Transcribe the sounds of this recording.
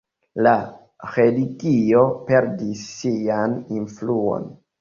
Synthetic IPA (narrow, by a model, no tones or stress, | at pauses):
la | helikio̞pe̞ɾdisːianinfluo̰n